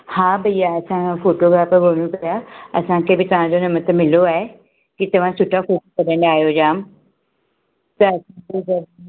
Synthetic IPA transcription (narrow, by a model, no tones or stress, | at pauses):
haːbɐijaɐsãfoːʈoɡɾaːpʋoːɽ̃ũpɐjaɐsãkʰebɪt̪ɐʋ̤ãd͡ʑonɐmət̪ʰəmɪloaːɦe | kit̪ɐʋ̤ãsʊʈʰafoːʈokɐɗə̃ɳɖaːɦijod͡ʑaːm | t̪ɐɐsãked͡ʑɐd